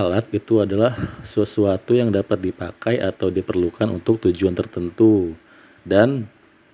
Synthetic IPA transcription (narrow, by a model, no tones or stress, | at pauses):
alat̪̚it̪uadalahsəsuat̪ujaŋdapat̪̚dipakajʔat̪awdipərlukanṵnt̪ʊk̚t̪ud͡ʒuant̪ərt̪ənt̪u | dan